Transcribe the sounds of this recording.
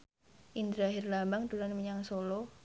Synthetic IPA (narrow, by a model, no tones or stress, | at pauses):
ʔind̪ɾaɦɪrlambaŋd̪ulanməɲaŋsolɔ